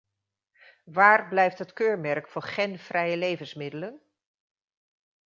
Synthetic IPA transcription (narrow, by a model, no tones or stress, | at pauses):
ʋaːrblɛjftɦətkøːɹmɛrkfʊːɹχɛnv̥rɛjəlejvənsmɪdələn